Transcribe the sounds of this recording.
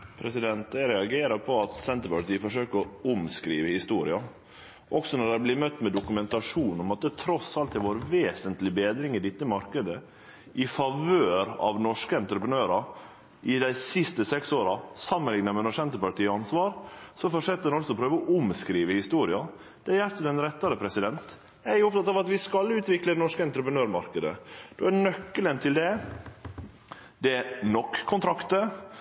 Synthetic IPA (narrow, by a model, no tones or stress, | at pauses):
pʰɾɛsɪd̪ɛnt̪̚d̪æɪɾɛɑɡeːɾɑɾpʰɔɑt̪sɛnt̪əɾpɑʈ̪iːəfɔʂøːkəɾɔʊmskɾiːʋəhɪst̪uːɾɪɑ | ʔɔksɔnɔɖ̪æblɪɾmœt̪ːmɛd̪ʊkʉmɛnt̪ɑʂuːnɔmɑt̪̚ːət̪ʰɾɔsɑlt̪̚d̪ɛʋoːɾʋeːsənt̪lɪbeːd̪ɾɪŋɪd̪ɪt̪ːəmɑɾkəd̪ə | ʔɪfɑʋøːɾɑ̰ʋnɔʂkəɛnt̪ɾəpɾənøːɾɑ | ʔɪd̪æɪsɪst̪əsɛksoːɾɑsɑmːənlɪŋnəmɛnɔʂɛnt̪əpɑɾʈ̪iːəɑnsʋɑːɾsɔfɔʂɛt̪ːəd̪ɛnɔlsɔɔpʰɾøːʋəɔʔʊmskɾiːʋəhɪst̪uːɾɪɑ | d̪̥ɛæɾjæɾt̪ːəd̪ɛnɾɛt̪ːɑɾəpʰɾɛsɪd̪ɛnt̪ | æɾjʊʊp̚t̪ɑt̪ːɑːʋɑt̪ʋɪskɑlʉːt̪ʋɪkləd̪ɛnɔʂkəɛnt̪ɾəpɾənøːɾmɑɾkəd̪ə̰d̪̥oænœkːələnt̪ʰɪld̪ɛ | d̪ɛæɾnɔkʰːʊnt̪ʰɾɑkt̪ə